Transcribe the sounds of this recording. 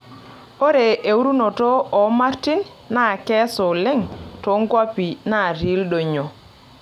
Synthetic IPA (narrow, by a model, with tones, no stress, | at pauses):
o˦ɾe˨ʔe˨u˦ɾu˦no˨to˦ɔ˨ma˦rti˦nː | a˦˨kɛ˦so˨lɪ˦ŋto˨˦ŋkwa˦pi˨na˦˨ɾi˨˦ldo˨ɲo˨